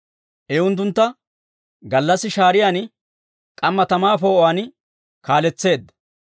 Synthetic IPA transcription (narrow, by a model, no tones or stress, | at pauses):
ʔɛʊnt̪̬ːʊnt̪ːɐ | ɡɐlːɐsːɪʃaːɾɪjaːn | kʼɐmːɐt̪ɐmaːfo̞ːʔaːn | kaːlɛt͡sːe̞ːd̪ːɐ